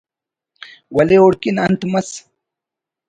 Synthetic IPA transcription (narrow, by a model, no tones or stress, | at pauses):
wɐleoɽkinɐnt̪mɐs